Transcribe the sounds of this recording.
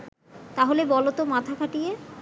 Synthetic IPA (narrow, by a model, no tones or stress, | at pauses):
t̪aɦolebɔlot̪omat̪ʰakʰaʈije